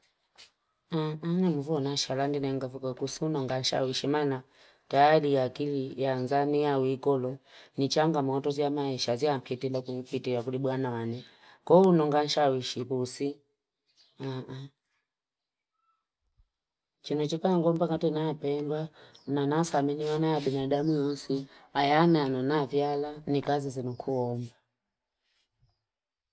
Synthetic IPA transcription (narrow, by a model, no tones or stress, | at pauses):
aanɛmuvuɔnaʃalandinɛŋɡavikɔkusiunɔŋɡan̩ʃa̰wiʃimaːna | tajalijakilijanzamijawikɔlɔnit͡ʃaŋɡamɔtɔziamaiʃaziampʰitilakupitijakuliɓwanawanɛ | kɔunɔŋɡan̩ʃawiʃipusi | aa | t͡ʃinɔt͡ʃikaŋɡɔmbaŋɡatɛnaapɛmbananasaminiwanajabinadamujɔsiajanɛananavjalanikazizɛnukʰuɔmba